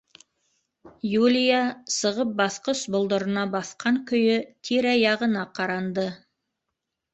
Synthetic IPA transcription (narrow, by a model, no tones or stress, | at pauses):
julʲijasəʁəp̚bɑθqəsbʊlˠd̪əɾənɑbɑθqɑŋkʲʰʏjɪt̪ʰeɾɑjɑʁənɑqʰɑɾɑnd̪ə